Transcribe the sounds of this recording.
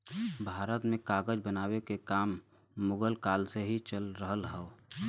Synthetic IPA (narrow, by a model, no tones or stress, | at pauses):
bʱaːɾət̪mẽkaːɡəd͡ʒbənaːwekekaːmː | ʊɡəlkaːlseɦit͡ʃəlɾəɦəlɦɛo